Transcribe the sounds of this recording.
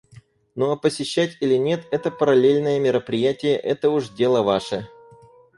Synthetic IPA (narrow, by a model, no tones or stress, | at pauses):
noɐpəsʲɪɕːætʲilʲɪnʲe̞t̪ɛt̪əpəɾɐlʲelʲnəjəmʲɪɾəpɾʲɪjætʲɪjəʔɛt̪əʊʐdʲe̞lˠəvaʂə